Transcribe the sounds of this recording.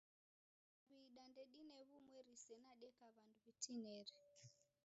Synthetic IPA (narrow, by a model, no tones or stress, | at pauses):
aβiːɗandɛɗinɛβumwɛɾisɛnaɗɛkaβanduβitʰinɛɾɛ